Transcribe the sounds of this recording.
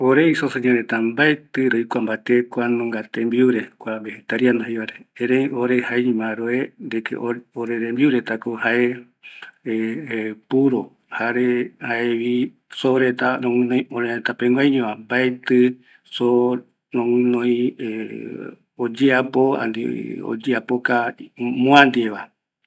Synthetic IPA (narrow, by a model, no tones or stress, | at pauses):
oɾeisoseɲoɾet̪ambaet̪ɨɾojkʷambat̪ekʷanõŋɡat̪embiuɾekʷabehet̪aɾiand̪aheβaɾeẽɾẽjoɾehaeɲĩmãɾoeɾekʰḛʔooɾeɾembiuɾet̪akohaʔe | epuɾo | haɾehaeβi | soɾet̪anõmɨ̃nõj̃oɾeet̪apeŋɡʷajɲõãmbaet̪ɨ | so | nõŋɨ̃nõj̃e | od͡ʒeapoa̰nd̪ḭo̰d͡ʒeapokamõãnd̪ieβa